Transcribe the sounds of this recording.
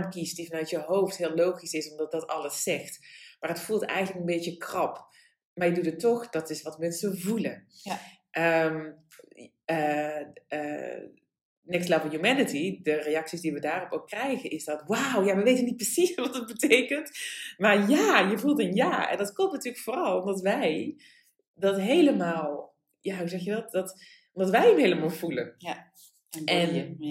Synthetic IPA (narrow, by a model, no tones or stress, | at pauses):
mkistdivɑnœɥtjəɦowftɦɪːlˠowχisɪsɔmdɑt̚dɑtɑlˠəsːɛxtmaːrɦətfulˠtɛ̰jɣənləkənbeːjəkrɑp | maːrjədudətɔxd̥ɑtɪsʋɑtmɛnsəvulə | ʔəm | ə | ə̰ | nɪkslavəjumɛnətidəreɑksisdiʋədaːrɔpoːkːrɛjɣənʔɪsdɔtwawjaʋəʋeːtənːit̚prəsisʋɑtdət̚bəteːkəntmarjaːjəvulˠtənjaːɛ̰ndɔtklɔp̚tnatyːləkfoːrɑlˠɔmdɔtʋɛj | dɔtɦeːləmaːlˠ | jaɦuzɛxjədɔt̚dɔt | ɔmdɑtʋɛjəmɦeːləmalˠvulən | ɛn